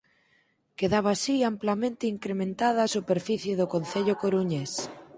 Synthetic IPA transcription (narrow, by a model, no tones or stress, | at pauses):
keðaβ̞aːsiamplamẽnt̪eiŋkɾemẽnt̪aðaːsupeɾfiθjeðokõn̟θeʎokoɾuɲes